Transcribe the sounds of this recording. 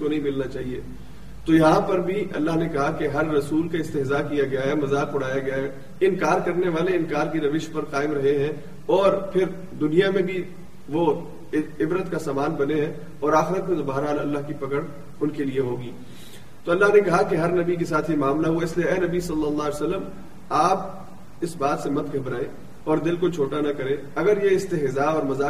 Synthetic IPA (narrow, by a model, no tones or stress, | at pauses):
konɐɦĩmɪlnat͡ʃaːɦieː | t̪ojɐɦãpɐɾbʱiɐ̰lːaɦnekɐɦakeɦɐɾːɐsuːlkaɪst̪ɪɦzakijaɡɐjaɦɛmɐzaːqʊɽ̤aːjaɡɐjaɦɛ | ɪnkaːɾkɐɾneʋaːleɪ̃nkaːɾkiɾɐʋɪʃpɐɾqaːɪmɾɐɦeɦɛ̃ | ɔːɾpʰɪɾ | d̪ʊnijamẽbʱi | ʋo | ɪbɾət̪kasaːmaːnbɐneɦɛ̃ | ɔːɾaːxɪɾət̪mẽt̪obaːɦəɾɦaːlɐlːaɦkipɐkəɽ | ʊnkelieɦoːɡiː | t̪oɐlːaɦnekɐɦakeɦɐɾnɐbikesaːt̪ʰɦimaːmlaɦuaɪslieɛːnɐbisɐlːəlːaːesɐlːəm | aːp̚ | ɪsbaːt̪semɐt̪ɡʱɐbɾaːe | ɔːɾd̪ɪlkot͡ʃʰoːʈanɐkɐɾẽː | ɐɡəɾjeɪst̪ɪɦɪzaɔːɾmɐzaː